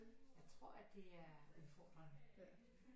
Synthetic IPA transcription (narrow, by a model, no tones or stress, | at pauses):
jɑ̈ɪt͡sʰʁo̝ɐ̰æd̥e̝æɐuðˠfɒːd̥ʁɐnə